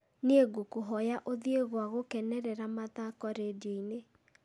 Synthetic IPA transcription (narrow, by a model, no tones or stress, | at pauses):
neɡokoɦɔjaʔoðieɣwaɣokɛnɛɾɛɾamat̪akɔɾedoine